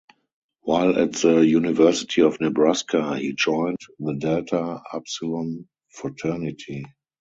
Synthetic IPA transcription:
waɪlæ̰tðəjunivɜ˞sɪ̥tʰiɔfnɛbɹaskʰahiːd͡ʒɔ̃ɪ̃ntðədɛltʰaa̰psulə̃m | fɹɔtʰɜ˞nɪtʰi

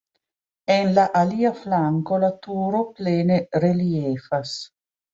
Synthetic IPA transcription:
enlaʔaliːaflaŋkolat̪uːɾopleːnerelieːfas

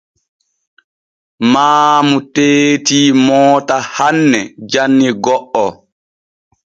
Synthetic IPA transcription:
maːmuteːtiːmɔːtahanːɛd͡ʒanːiɡɔʔɔ

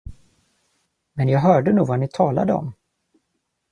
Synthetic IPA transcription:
mɛnjɑːɡɦœːɖənuːvanɪt̪ʰɑːla̰d̪əɔ̰m

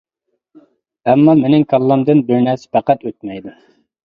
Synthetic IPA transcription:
ɛmːɑmenɪŋkʰɑlˠːɑmd̪ɨnbɪɾnɛspʰæqæt̪øt̪̚mɛjd̪u

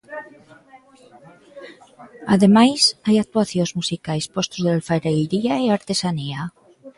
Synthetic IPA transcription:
aðemajsajak̚t̪uaθjozmusikajspost̪uzðealfaɾejɾiaeaɾt̪esania

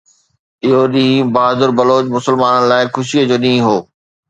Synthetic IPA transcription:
ɪɦoɗĩːbaːzʊɾbɐloːt͡ɕmʊsəlmaːnənɪ̆laːɪxʊʃiəd͡ʑoːɗĩːɦoː

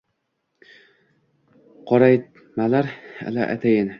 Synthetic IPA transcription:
qʰɒɾaj | malaɾa̰laʔa̰t̪ʰajɪn

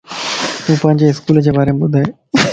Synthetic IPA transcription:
t̪ũːpɐ̃ɦɪɲd͡ʑeɪskuːld͡ʑeːbaːɾemeɓʊd̪ʱaːɦeː

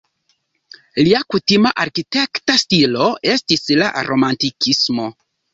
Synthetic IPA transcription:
liakutimaʔaɾkite̞ktastilo̞e̞stisla̰ɾʔo̞mantikʰismo̞

